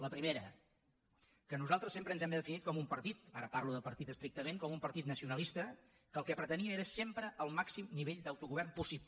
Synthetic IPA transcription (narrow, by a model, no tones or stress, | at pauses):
ləpɾimeɾə̰ | kənuzalˠt̪ɾəsempɾəːnzɛmbəðəfinit̪̚kɔmumpəɾt̪it̪a̰ɾəparluðəpəɾt̪it̪əst̪ɾik̚t̪əmeŋkɔmumpəɾt̪it̪nəsiunəlist̪ə | kəːlˠkɛpɾət̪əniəeɾəsempɾəəlˠmaksimniβeʎd̪awt̪uɣuβɛrmpusip